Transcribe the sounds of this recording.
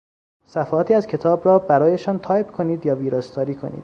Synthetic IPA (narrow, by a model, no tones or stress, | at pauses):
sæfːt̪ʰiːæzcʰe̞t̪ʰɒːbɾɒːbæɾɒːjeʃɒːnt̪ʰɒːjpkʰoniːd̪jɒːviːɾɑst̪ʰɒːɾiːkʰo̞̰nḭːd̪̥